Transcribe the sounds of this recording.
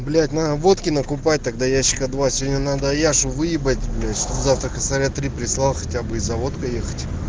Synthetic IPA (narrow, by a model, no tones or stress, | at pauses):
blʲætʲnavo̞t̪kʲɪnəkʊpat̚ʲt̪ɐɡ̚d̪ajæɕːɪ̥kəd̪vasʲɪvʲodʲnʲənad̪əjaʂʊvɨjɪbət̚ʲblʲætʲʂt̪obzaft̪ɾəkəsaɾʲat̪ɾʲipɾʲɪslˠalˠxɐtʲabɨɪzɐvo̞t̪kəjexə̥tʲ